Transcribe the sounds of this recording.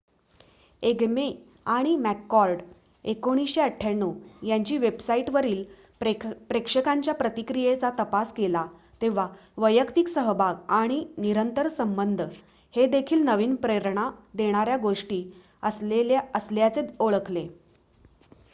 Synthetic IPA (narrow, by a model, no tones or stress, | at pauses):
eɡme | aɽ̃imækːɔɾɖ | ekoɽ̃isɕeəʈʰːjanːuːjaɲt͡ɕiːʋebsaiʈʋəɾiːl | pɾekʂəkaɲt͡ɕjapɾət̪ikɾijet͡sat̪əpaskela | t̪eʋ̤a | ʋəjəkt̪iksəɦəbʱaɡaɽ̃iniɾənt̪əɾsəmbənd̪ʱə | hed̪ekʰiːlnəʋiːnpɾeɾɳad̪eɽ̃aɾjaɡoʂʈiː | əsəsljat͡seoɭəkʰle